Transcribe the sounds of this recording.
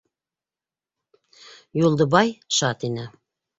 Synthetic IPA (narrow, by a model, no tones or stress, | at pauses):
julˠd̪ɤ̆bɑjʃɑt̪inɘ